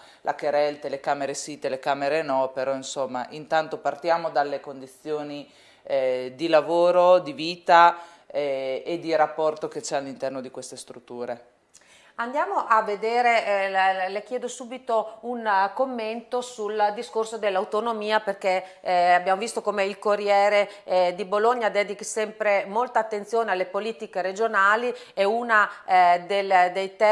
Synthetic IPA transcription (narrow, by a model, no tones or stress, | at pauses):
lʔa̰keɾɛlt̪elekaːmeɾesit̪ːelekaːmeɾenɔːpeɾɔinsomːa̰ʔint̪ant̪opart̪jaːmod̪alːekond̪it̪sːjoːni | d̪ilavoːɾod̪iviːt̪a | ɛed̪ːiɾapːɔrt̪oket͡ʃɛalːint̪ɛrnod̪ikwest̪est̪ɾut̪ːuːɾe | and̪jaːmoʔavːed̪eːɾe | lek̟jɛːd̪osuːbit̪ounkomːent̪osuld̪iskorsod̪elːawt̪onomiːaperke | abjaːmovist̪okomeilkorːjɛːɾed̪iboloɲːad̪ɛːd̪ikisɛmpɾemolt̪aːt̪ːensjoːnealːepoliːt̪ikeɾed͡ʒonaːli | ɛunad̪eld̪ejt̪ɛ